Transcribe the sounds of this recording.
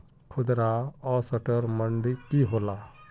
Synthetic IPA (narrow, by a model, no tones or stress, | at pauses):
kʰʊd̪ɾaɔsəʈəɾməɳɖikiɦoːla